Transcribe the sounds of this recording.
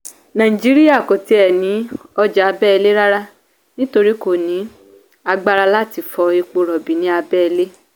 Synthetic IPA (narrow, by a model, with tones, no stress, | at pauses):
nã˨ĩ˨d͡ʒi˨˦ɾi˦ja˦˨ko˨te˧˦ɛ˨nĩ˨˦ɔ˧d͡ʒa˨a˧bɛ˦ɛ˧le˦ɾa˦ɾa˦ | nĩ˦to˧ɾi˦ko˨nĩ˨˦ | a˧ɡ͡ba˦˧ɾa˧la˦ti˧˨fɔ˧i˧k͡po˧ɾɔ˨bi˨nĩ˦a˧bɛ˦ɛ˧le˦